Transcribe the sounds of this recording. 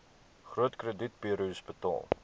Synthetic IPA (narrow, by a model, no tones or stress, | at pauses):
χruətkrədit̚piəɾuɔspətɑ̰lˠ